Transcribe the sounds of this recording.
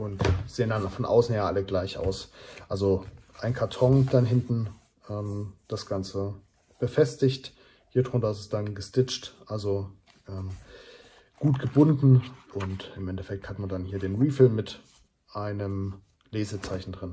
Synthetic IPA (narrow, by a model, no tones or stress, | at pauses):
ʔʊntz̥eːəndanfɔnʔa̰ʊsn̩jaːʔaləɡlaɪçʔa̰ʊsʔalzoʔaɪnkʰaɐtʰɔŋd̥anɦɪntn̩ | ʔɛːmd̥asɡ̥ant͡sə | b̥əfɛstɪçt | hiːɐdʁʊntɐɪsɛsd̥anɡəstɪt͡ʃtʔalzo | ʔɛːm | ɡ̥uːtɡ̥əbʊndn̩ʔʊntɪmʔɛntɛfɛk̚thatmandanhiːɐdeːnʁiːfɪlmmɪt | ʔaɪnəm | leːzət͡saɪçn̩dʁɪn